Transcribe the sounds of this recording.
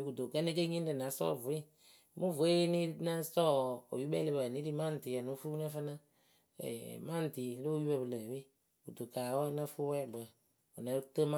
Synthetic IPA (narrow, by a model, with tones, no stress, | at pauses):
ku˨to˨kə˦ne˦ke˦ɲĩ˦də˨na˨˦sɔ̰˦˨vu˨˦i˦ | mu˦vu˨e˦ni˦na˦sɔ˦o̰˨ju˦bɛ˦le˧˦ba˨ni˨˦ɾi˦ma˦n˨ti˨a˨nu˨˦fu˦na˦fa˦na˦ | ɛ̰˨ma˦n˨ti˨˦lo˦ji˦bɛ˧bɨ˨lə˨bi˦ | ku˨to˨ka˨˦wa˦na˦˧fu˦wɛ˦˨bə˨ | o˨na˨˦tə˦ma˦